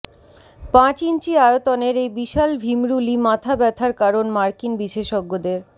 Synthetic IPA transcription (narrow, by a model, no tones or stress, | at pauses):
pãt͡ɕint͡ɕiajot̪ɔneɾejbiʃalbʱimɾulimãt̪ʰabɛt̪ʰaɾkaɾonmaɾkinbiʃeʃoɡːod̪eɾ